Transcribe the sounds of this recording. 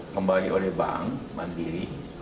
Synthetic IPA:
kəmbaliʔolɛhba̰ŋba̰ndiɾi

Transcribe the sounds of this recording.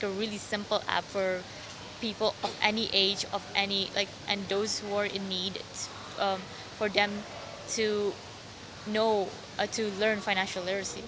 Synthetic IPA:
kəɹilˠisɪ̃mpl̩ˠæ̰pfɔɹ | pipl̩ˠɔvɛniʔeɪd͡ʒɔvʔɛnilʔa̰ɪk̚ʔɨ̃nd̪oʊzhuə˞ɪ̃nːid | ʌ̃m | fɔ˞ðɛ̃m | tʰu | noʊ | tʰulɜ̃˞nfãɪnæ̃nʃəl̩ˠlɪɾə˞si

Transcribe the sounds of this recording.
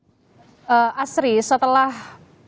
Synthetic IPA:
ʔəasɾisət̪əlah

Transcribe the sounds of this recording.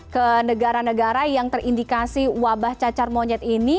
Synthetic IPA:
kənəɡaɾanəɡaɾajaŋt̪ərʔindikasiwabaht͡ʃat͡ʃarmoɲɛt̪ini

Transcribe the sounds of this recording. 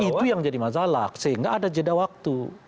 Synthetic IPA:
it̪ujaŋd͡ʒadimas̬alasəɦiŋɡa̰ʔːdad͡ʒədawak̚t̪u

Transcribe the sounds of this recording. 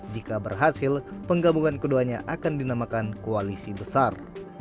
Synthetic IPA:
d͡ʒikabərɦasilpəŋɡabuŋankəduaɲaʔakandinamakankoalisibəsar

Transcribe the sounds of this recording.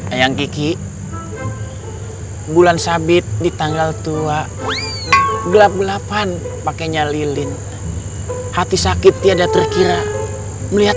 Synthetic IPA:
ajaŋkiki | bulansabɪt̪̚dit̪aŋɡalt̪ua | ɡəlap̚ɡəlapan | pakaɲalilin | hat̪isakit̪̚ːiadat̪ərkiɾa | məliɦat̪̚

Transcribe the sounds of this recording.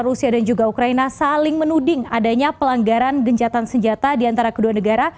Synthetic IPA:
rusiadand͡ʒuɡaukɾainasalɪŋmənudɪŋadaɲapəlaŋɡaɾanɡəɲt͡ʃat̪ansəɲd͡ʒat̪adiant̪aɾakəduanəɡaɾa

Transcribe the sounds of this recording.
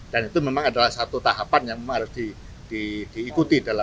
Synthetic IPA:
d̥anit̪umemaŋadalahsat̪ut̪aɦapanjaŋmemaŋɦaɾʊsd̥i | d̥id̥iːkut̪idala

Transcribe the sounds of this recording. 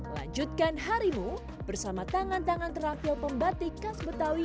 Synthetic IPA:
məla̰ɲd͡ʒut̪̚kanɦaɾimu | b̥ərsamat̪aŋant̪aŋant̪əɾapilpəmbat̪ikasbət̪awi

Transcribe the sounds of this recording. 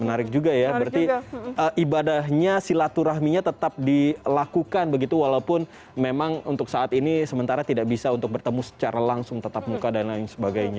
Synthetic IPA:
mənaɾɪk̚d͡ʒuɡajabəɾart̪iəːʔibadahɲasilat̪uɾahmiɲat̪ət̪ap̚dilakukanbəɡit̪uwalaupʊn | memaŋṵnt̪ʊksaat̪inisəmənt̪aɾat̪idaʔbisaunt̪ʊk̚bərt̪əmusə̥t͡ʃaɾalaŋsʊŋt̪ət̪ap̚mukadanlaɪŋsəbaɡajɲa

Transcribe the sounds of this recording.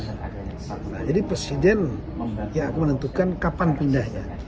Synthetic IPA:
nahd͡ʒadipɾesidɛn | jaːkumənənt̪ukankapanpindahɲa̰

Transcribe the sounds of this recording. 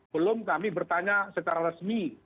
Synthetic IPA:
bəlʊmkamibərt̪aɲasət͡ʃaɾaɾəsmi

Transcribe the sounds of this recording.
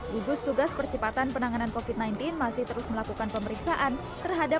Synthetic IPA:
ɡuɡʊst̪uɡaspərt͡ʃəpat̪anpənaŋanankofit̪̚najnt̪ɪnmasɪht̪əɾʊsməlakukanpəməɾiksaʔan | t̪ərɦada

